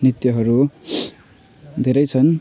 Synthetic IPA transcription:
nit̪jʌɦʌɾu | d̪ʱeɾʌjt͡sʰʌn

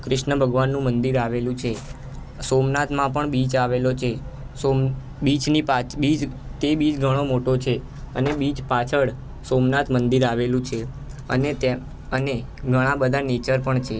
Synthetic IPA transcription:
kɾɪʃnəbʱəɡʋanːũmənd̪iɾaʋelũt͡ʃʰe | somnat̪ʰmãpəɳbit͡ʃaʋelot͡ʃʰe | som | bit͡ʃnipabid͡ʒt̪ebid͡ʒɡʱəɽ̃omoʈot͡ʃʰe | ənebid͡ʒpat͡ʃʰəɭ | somnat̪ʰmənd̪iɾaʋelũt͡ʃʰe | ə̰net̪ | əne | ɡʱəɽ̃ãbəd̪ʱanet͡ʃəɾpəɳt͡ʃʰe

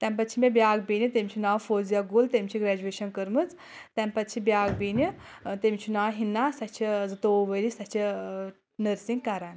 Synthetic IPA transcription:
t̪ɐmpɐt̪ʲt͡ʃʰimʲebʲjaːɡbinit̪emʲt͡ʃʰunaːwfoːzjaɡult̪emʲt͡ʃʰiɡɾɛːd͡ʒueːʃɐnkəɾmɨt͡s | t̪ɐmpɐt̪t͡ʃʰibjaːɡbiːni | t̪emʲt͡ʃʰunaːɦinːaːsɐt͡ʃʰizɨt̪oːʋəlisɐt͡ʃʰi | nəɾsiŋɡkɐɾan

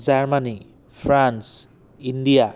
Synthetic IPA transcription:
zaɹmani | pʰɹans | indija

